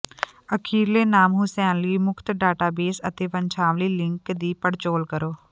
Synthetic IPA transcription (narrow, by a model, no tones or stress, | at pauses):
əkʰiːɾleːnaːmɦʊsɛːnliːmʊkʰt̪ɖaːʈaːbeːsə̰t̪eːʋəɲt͡ʃʰaːʋliːlɪ̃ŋkd̪iːpəɽt͡ʃoːlkəɾoː